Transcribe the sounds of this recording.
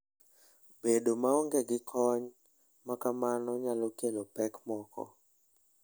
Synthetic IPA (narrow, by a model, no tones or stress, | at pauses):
bedomaɔŋɡɛɡɪkʰɔɲ | makamanɔɲalɔkelopɛkmɔkɔ̰